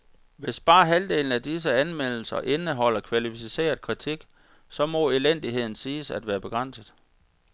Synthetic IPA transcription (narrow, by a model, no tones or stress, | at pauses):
ʋe̝sb̥ɑ̈ːɦæld̥e̝̰ːln̩æd̥is̬əænmel̰l̩sɐ̰ʔe̝nəɦɒ̽l̰ɐkʰʋælifise̝̰ːɐð̩ˠkʰʁit͡sʰiɡ̥ | sɒ̽mɒ̽elen̰d̥iɦe̝ð̞̰ˠn̩siːsæd̥ʋæːɐb̥e̝ɡ̥ʁɑ̈n̰səðˠ